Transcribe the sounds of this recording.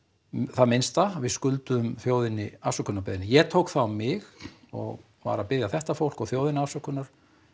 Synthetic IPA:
θaðmɪnst̪avɪskʏlt̪ʏʏmθjoːwðɪnɪafsœkːʏnapːðɪnɪjɛt̪ʰowkθawmɪɣ | ɔ̰ɣ | va̰ːɾapɪðjaθɛht̪afowl̥kɔɣθjowðɪnafsœkːʏnaɾ̥

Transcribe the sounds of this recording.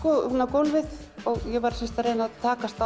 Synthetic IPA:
kɔunːakownvɪðɔɣjɛvaɾ̥sɪnst̪aɾeːjnaðt̪ʰaːkast̪a

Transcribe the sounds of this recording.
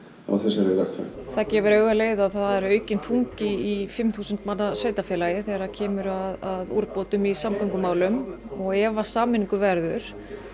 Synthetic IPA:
a̰wθɛsːaɾɛlat̪a̰θaðcɛːvʏɾœːɥɣaleːjðaθaðɛɾœːɥcɪnfuŋcɪifɪmθuːsʏnt̪manːasvœːɥt̪afjɛːlajɪθɛɾacʰɛːmʏɾaðaðṵɾpoːt̪ʏmisamkœŋkʏmaːwlʏmɔɣɛːvasaːmɪniŋkʏvɛɾðʏɾ̥

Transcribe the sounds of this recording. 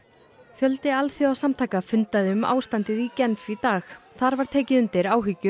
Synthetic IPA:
fjœlt̪ɪalθiawsamt̪ʰaːjkafʏnt̪aðɪʏma̰ːwst̪ant̪ɪðicɛnfit̪aːxθaɾvaɾ̥t̪ʰeːcɪðʏnt̪ɪɾaːwɦʏcʏ

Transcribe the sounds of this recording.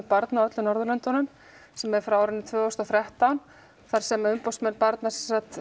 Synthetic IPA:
paɾt̪nawœt̪lʏnɔɾðʏlœnt̪ɔnʏm | sɛmɛfɾawaɾɪnɪt̪ʰvœːɣʏst̪ɔθɾjɛht̪awn | θaɾ̥sɛmʏmpowsmɛnpaɾt̪nasɛnsat̪

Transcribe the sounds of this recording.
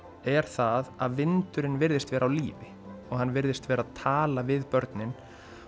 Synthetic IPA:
ɛɾ̥θaðaðvɪnt̪ʏɾɪnvɪɾðɪst̪vɛːɾawlḭːvɪ | ɔɣhanːvɪɾðɪst̪vɛːɾaðt̪ʰaːlavɪðpœɾt̪nɪn

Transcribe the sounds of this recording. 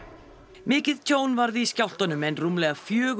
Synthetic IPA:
mɪːcɪðt̪ʰoːwnvaɾðɪiscawl̥t̪anʏmɛnrumlɛɣafjœːɣ

